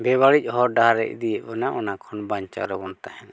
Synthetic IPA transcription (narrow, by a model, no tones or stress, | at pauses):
bɛbaɽic̚ˀɦɔɾɖaɦɾɛ̰ʔ̚d̪ijɛʔ̚bɛnaʔɔnakʰɔnbaɲt͡ʃa̰ɾɛbɔnt̪ahɛn